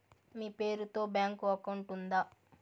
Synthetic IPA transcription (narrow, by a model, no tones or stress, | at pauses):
miːpe̞ːɾut̪o̞ːbjaːŋkuɐkɐɳʈund̪aː